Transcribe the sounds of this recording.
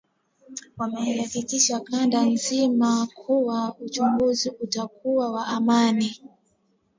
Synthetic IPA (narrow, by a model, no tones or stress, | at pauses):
wamɛihakikiʃakandanzimakʰuwaut͡ʃuŋɡuziutakuwawaʔamani